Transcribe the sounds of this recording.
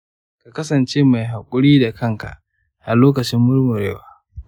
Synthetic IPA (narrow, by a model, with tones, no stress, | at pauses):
ka˨kɐ˦sɐ˨nt͡ʃeː˦ma˨jɦa˨kʷʼʊ˦ɽiː˦da˨kʰɐ˦ŋka̰˨ʔ | ʔa˨loː˦kɐ˨t͡ʃɪ˦mːʊ˦ɽmʊ˨ɾeː˦waː˦